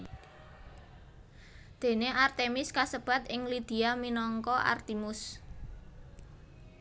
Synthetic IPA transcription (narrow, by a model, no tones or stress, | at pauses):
d̪̥e̤neʔart̪emɪskasəb̥a̤t̪ɪŋlid̪̥i̤aminɔŋkɔʔa̰rt̪imʊs